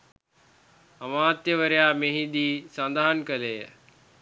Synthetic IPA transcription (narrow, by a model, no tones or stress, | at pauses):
ɐmaːt̪jəʋəɾejaːmeɦid̪iːsand̪aɦɐnkəlejə̰